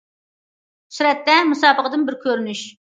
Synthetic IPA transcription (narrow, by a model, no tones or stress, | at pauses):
syɾɛt̪ːɛmusɑːbəqəd̪ɨnbɪɾkʲʰøɾynyʃ